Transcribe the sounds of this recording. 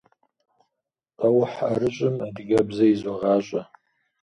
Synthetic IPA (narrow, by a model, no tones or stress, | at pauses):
awħa̰ɾɨt͡ʃʷʼɨmadɡʲabzaizʷaʁaɕʷʼa